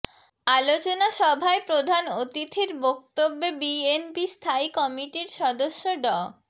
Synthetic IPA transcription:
alot͡ɕonaʃɔbʱaepɾod̪ʱanot̪it̪ʰiɾbok̚t̪obːebienbist̪ʰaikɔmiʈiɾʃɔd̪oʃːoɖɔ

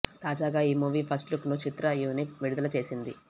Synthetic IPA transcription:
t̪aːd͡ʒaːɡaːiːmuːʋiːpʰɐsʈluknut͡ʃit̪ɾɐjuːniʈʋiɽud̪ɐlɐt͡ʃe̞ːsind̪i

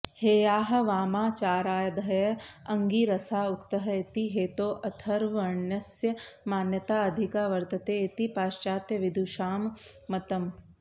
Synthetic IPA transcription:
heːjaːɦɐ̆ʋaːmaːt͡ʃaːɾaːjɐd̪jɐɐŋɡiːɾɐsaːukt̪ɐɦɐet̪iɦeːt̪oːʔɐt̪ʰɐɾʋɐɾɳjɐsjɐmaːnjɐt̪aːɐd̪ʱikaːʋɐɾt̪ɐt̪eːet̪ipaːʃt͡ʃaːt̪jɐʋid̪ʱuːʃaːmː | ɐt̪ɐm

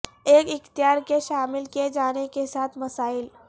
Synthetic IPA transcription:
eːkɪxt̪ijaɾkeʃaːmɪlkied͡ʒañekesat̪ʰmɐsaːɪl

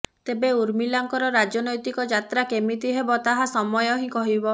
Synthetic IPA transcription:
t̪ebeuɾmilaŋkɔɾɔɾad͡ʒɔnɔjt̪ikɔd͡ʒat̪ɾakemit̪iɦebɔt̪aɦasɔmɔjɔɦĩkɔɦibɔ

